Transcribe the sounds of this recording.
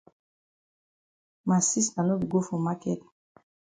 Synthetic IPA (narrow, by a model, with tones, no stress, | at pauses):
ma˨si˦sa˨nu˦dɡo˦fo˨ma˦kɛ˦t̚